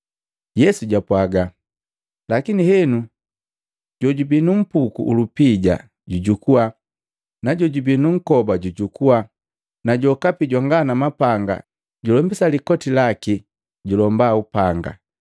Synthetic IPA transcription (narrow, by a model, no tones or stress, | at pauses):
jɛsuɟapwaɡa | lakinihɛnu | ɟɔɟubinum̩pukṵʔulupiɟa̰ | ɟuɟukuwa | naɟɔɟubinuŋ̩kɔbaɟuɟukuwa | naɟɔkapiɟwaŋɡanamapaŋɡa̰ | ɟulɔmbisalikɔtilaki | ɟulɔmbaupaŋɡa̰